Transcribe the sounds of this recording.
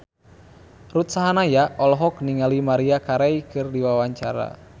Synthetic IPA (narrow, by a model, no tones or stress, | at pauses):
rut̪saɦanajaɔlɔɦɔkniŋalimaɾiakaɾɛjkɨrdiwawaɲt͡ʃaɾa̰